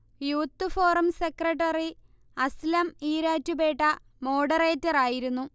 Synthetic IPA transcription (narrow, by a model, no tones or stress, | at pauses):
juːt̪ːɨfo̞ːrɐmsekrɐʈːɐri | ɐslɐmiːɾaːtːube̞ːʈːɐ | mo̞ːɽɐre̞ːtːɐraːjiɾunːu